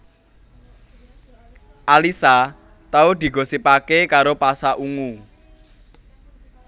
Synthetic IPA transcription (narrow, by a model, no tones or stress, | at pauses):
ʔalisa | t̪aud̪̥i̤ɡ̥o̤sipakekaɾopasaʔuŋu